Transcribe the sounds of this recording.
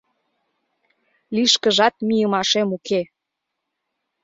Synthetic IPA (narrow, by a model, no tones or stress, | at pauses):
liʃkəʒɑt̪̚mijəmɑʃemuke